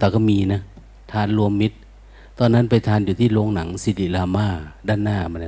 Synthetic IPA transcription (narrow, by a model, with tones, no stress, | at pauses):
t̪aː˨˩kʰɔ˥˩miː˧na˦˥˩ | t̪ʰaː˧nlu˧əmːi˦˥t̪̚ | t̪ɔː˧nːa˦˥˨npa˧jt̪ʰaː˧njuː˨˩t̪ʰiː˥˩˨loː˧ŋna˩˦ŋsi˧˦li˧˩laː˧maː˧˥˩daː˧˥˩nːaː˧˥˩ma˧n˧